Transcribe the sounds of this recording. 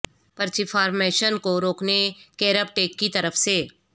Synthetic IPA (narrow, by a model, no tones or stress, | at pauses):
pɐɾt͡ʃɪfaːɾmeːʃənkoɾoːknekeːɾəp̚ʈeːkːit̪ɐɾəfse